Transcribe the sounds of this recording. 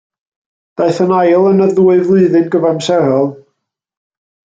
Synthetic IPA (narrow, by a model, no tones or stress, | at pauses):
d̥aɨθənajlˠənəðuːɨðlˠɨːðɨnɡəvamsɛɾɔlˠ